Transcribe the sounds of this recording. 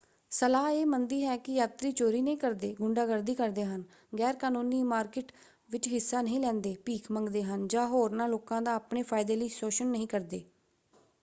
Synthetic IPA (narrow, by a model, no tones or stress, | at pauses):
səlaːeːmənd̪iːɦɛːkɪjaːt̪ɾiːt͡ʃoːɾiːnəɦĩːkəɾd̪eːɡʊɳɖaːɡəɾd̪iːkəɾd̪eːɦən | ɡɛːɾkaːnuːniːmaːɾkɪʈ | ʋɪt͡ʃɦɪsːaːnəɦĩːlɛ̃ːnd̪eːpiːkʰməŋɡd̪eːɦənd͡ʒãːɦoːɾnaːloːkãːd̪aːpneːpʰaːɪd̪eːliːsoːʃənːəɦĩːkəɾd̪eː